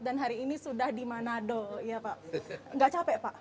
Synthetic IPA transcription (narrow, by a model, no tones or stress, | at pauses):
danɦaɾiːnisudahdimanadoijapaʔŋɡaʔt͡ʃapɛʔpaʔ